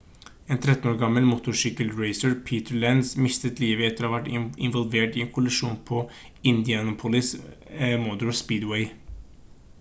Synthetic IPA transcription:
eːnt̪ʰɾɛt̪ːn̩oːɾɡɑməlmʊt̪ʊʂʏkəlɹeɪsəɹpʰiːt̪əɹlænsmɪst̪ət̪liːʋəɛt̪əɾohɑːʋæʈɪ̰nʋɔlʋeːʈiːɛnkʰʊlɪʂuːnpʰɔ | ɪnd̪ɪɑnʊpʰʊlɪs | mɔd̪ʉɹspiːd̪weɪ

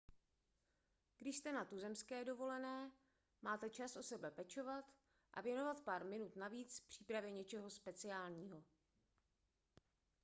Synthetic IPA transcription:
ɡ̥dɪʃst̪ɛnat̪uzɛmskɛːdo̞vo̞lɛnɛː | maːt̪ɛt͡ʃasʔo̞sɛbɛpɛt͡ʃo̞vat̪ | ʔa̰vjɛno̞vat̪paːɾmɪnut̪naviːt͡spr̝̥iːpɾavjɛɲɛt͡ʃɛɦo̞spɛt͡sɪaːlɲiːɦo̞

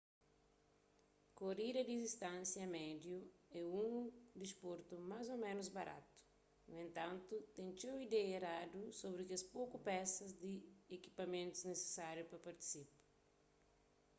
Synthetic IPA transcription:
koɾiɾɐd̪izist̪ãnsjɐmɛd̪juɛũŋd̪ispoɾt̪umazomẽnuzbaɾʔa̰t̪u̥ | nuẽnt̪ɐ̃nt̪ut̪ẽŋt͡ʃewid̪ɛeɾad̪usobɾɪkɪɐspokupɛsɐzd̪ieki̥pɐmẽnt̪uznese̥saɾjupɾɐpɐɾt̪i̥sipɐ̥

